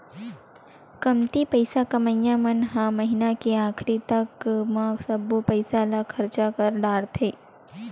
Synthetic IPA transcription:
kɐmt̪ipəɪsakɐməjjãmɐnɦãmɐɦɪnakeaːkʰɾit̪ɐkmãsɐbopəɪsalakʰɐɾt͡ʃakəɾɖaːɽt̪ʰeː

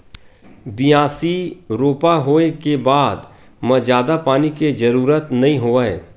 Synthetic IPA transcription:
bɪjaːsiɾoːpaɦoːekebaːd̪ | mɐ̃d͡ʒaːd̪apaːniked͡ʒɐɾuːɾət̪nɐɦĩɦoːaeː

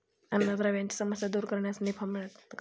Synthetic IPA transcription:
ənːazɾaʋjãɲt͡ɕi̥səməsjad̪uːɾkəɾɳjasnipʰamiɭət̪k

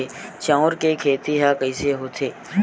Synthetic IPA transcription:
et͡ʃãʊɾkekʰeːt̪iɦakəiseɦoːt̪ʰeː

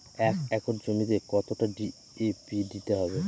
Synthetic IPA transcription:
ɛkɛkɔɾd͡ʑomit̪ekɔt̪oʈaɖi | epiɖitaɦɔbe

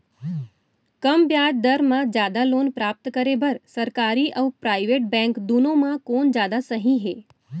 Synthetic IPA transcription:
kəmbjaːd͡ʒ̚d̪əɾmãd͡ʒjaːd̪aloːnpɾaːp̚t̪kəɾebəɾsəɾkaːɾiʔəʋpɾaːɪʋeːʈ̚bɛ̃ŋkd̪unõmãkoːnd͡ʒjaːd̪asəɦĩɦeː

